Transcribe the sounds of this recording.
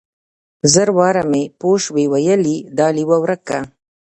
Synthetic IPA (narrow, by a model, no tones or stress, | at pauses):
zəɾwɑːɾamepoʃwewajəlid̪ɑːliwawɾaka